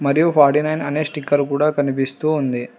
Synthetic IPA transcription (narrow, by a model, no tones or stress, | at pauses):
mɐɾijupʰaːɾʈinɐjnɐneːʂʈikːɐɾukuːɽaːkɐnip̬ist̪uːnd̪i